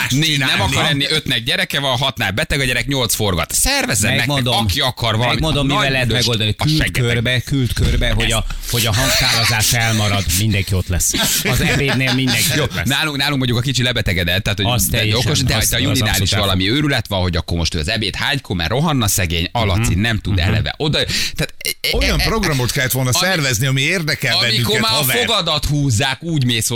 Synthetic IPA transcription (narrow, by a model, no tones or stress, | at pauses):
neːnɛmɒkɒɾɛnːiʔø̞t̪nɛɡ̚ɟɛɾɛkɛvɒnɦɒt̪naːbɛt̪ɛɡɒɟɛɾɛkɲo̞lt̪sfo̞rɡɒ̰t̪sɛrvɛzɛmɛmɛmond̪oɒmkiɒkɒrvɒlɛmimond̪omːiɛlːɛɦɛt̪mɛɡo̞ld̪ɒnikːʃɛɡørbɛkylt̪kørbɛɦo | hoɟɒɦɒŋksaːvɒzaːʃɛlmɒɾɒd̪mind̪ɛŋkio̞t̪lɛsːɒzɛeːneːlmind̪ɛŋkjoːnaːluŋknaːluŋkmoɲɟukɒkit͡ʃit̪lɛbɛt̪ɛɡɛd̪ɛt̪ːaːt̪hojsɛoko̞ʃd̪ɛjt̪ɒjuniaːliʃʋɒlɒmiøːɾylɛt̪ʋɒnɦo̞ɟɒkːoːmo̞ʃt̪øːɒ̰zɛbeːt̪haːɲkʰomɛ̰rːʔo̞ɦɒnːɒsɛɡeːɲɒlɒt̪sinnɛmt̪ud̪ɛ̰lɛ̰vɛ̰ʔo̞d̪ɒt̪aːt̪ojɒmpro̞ɡrɒmo̞t̪kɛlːɛt̪ʋo̞lnɒsɛrvɛzniɒmieːrd̪ɛkɛlɒbɛnmiːyŋko̞krɛmaːfoɡɒd̪ɒt̪huːzːaːkuːɟmeːsho